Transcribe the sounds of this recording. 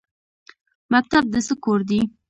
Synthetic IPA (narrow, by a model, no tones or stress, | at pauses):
mak̚t̪ab̚d̪əsəkoɾd̪i